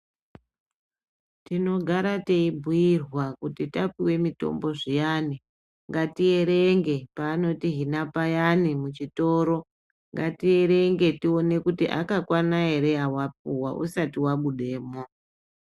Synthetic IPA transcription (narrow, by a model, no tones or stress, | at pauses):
tino̞ɡʱaɾateibʱujirwakutitapiwe̞mito̞̰mbo̞ʐijani | ŋɡatie̞ɾeŋɡe̞paːno̞tiɦinapajanimut͡ʃito̞ːɾo̞ | ŋɡatie̞ɾe̞ŋɡe̞tio̞ne̞kutiʔa̰kakwanaɦe̞ɾe̞awap̚uwaʔṵsatiwaɓuɗe̞ːmo̞